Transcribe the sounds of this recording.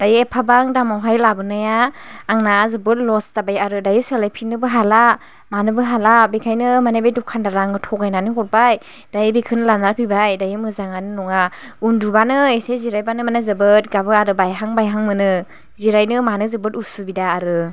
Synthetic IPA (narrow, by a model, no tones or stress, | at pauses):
d̥ajɯepʰabaŋdamawɦajlabɯnajaːŋnazɯbɯt̚lɔstabajaɾɯdajɯselajpʰinɯbɯɦala | manɯbɯɦalabekʰajnɯmanebejdukʰandaɾaŋɯtʰɔɡajnanɯɦɔt̚baj | d̥ajɯbekʰɯnlanaɾpʰibajdajɯmɯzaŋanɯnɔŋa | undubanɯeseziɾajbanɯmanazɯbɯt̚ɡabɯaɾɯbajɦaŋbajɦaŋmɯnɯ | ziɾajnɯmanɯzɯbɯtusubidaːɾɯ